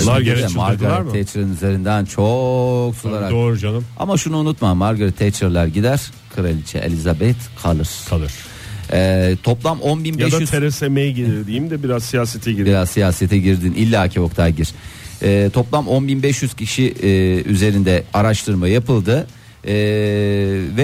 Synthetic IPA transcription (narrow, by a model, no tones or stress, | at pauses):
aɾɾɛmmaɾɡaɾaiɾʰɛt͡ʃɾaɯnyze̞ɾind̪ænt͡ʃʰoksulˠaɾadoɾd͡ʒanɯma̰maʃunuːnut̪mamːaɾɡaɾit̪ʰːɛt͡ʃɾalˠaɾɟid̪æɾ̥ | kʰɯɾalʲit͡ʃʰɛ̰ʔḛlʲizabɛt̪kʰalˠɯɾ̥ʰalˠɯɾ | ɛt̪ʰo̞plˠamʔonbinbjbɛʃyt̪ʰeɾesemejɟelʲiɾd̪ijimd̪ɛbiɾazsijaːset̪ʰɛɟibiɾazsijaːset̪ʰɛɟiɾd̪inʔilʲːaacʰio̞kt̪ʰaɟiɾ̥ɛːt̪ʰo̞plˠamo̞nbinbɛʃjyz̥cʰiʃiyze̞ɾind̪ɛaɾaʃt̪ʰɯɾmajapɯlˠd̪ɯ | vɛ